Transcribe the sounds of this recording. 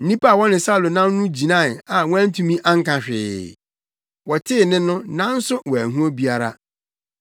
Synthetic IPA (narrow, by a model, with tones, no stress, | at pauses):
n̩˦nĩ˦pa˦˨wɔ˦nɪ̃˨sa˦˨lo˨nã˦m˦nũ˦d͡ʑi˨nã˦˨n˨a˨wɔ̃˦æ̃˦n̩˦tʰũ˦mĩ˦ʔa˦ŋ̩˦kã˨ɕᶣɪ̰˨ | wɔ˨tʰɪ˦˨nɪ̃˦nʊ̃˦nã˦n̩˦sʊ˦wɔ˨æ˨ɦũ˦o˦bi˦a˦ɾa̰˦